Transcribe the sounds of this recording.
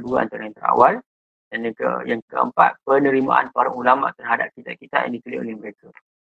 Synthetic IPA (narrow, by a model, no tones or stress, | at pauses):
duaa̰nt̪aɾajaŋt̪əɾa̰wal | danjaŋkə̰jaŋkəə̰mpa̰t̪̚pənə̃ɾima̰ʔa̰npaɾaŋulama̰ʔt̪ərɦadap̚kit̪akit̪a̰ʔja̰ŋdipilḛo̰lɛhməɾeka